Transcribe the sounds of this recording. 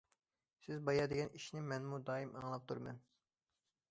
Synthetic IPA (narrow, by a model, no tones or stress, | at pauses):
sɪzbɑjɑd̪eɡʲɛniʃnɪmɛnmud̪ɑːimʔɑŋlˠɑp̚t̪ʰuɾmɛn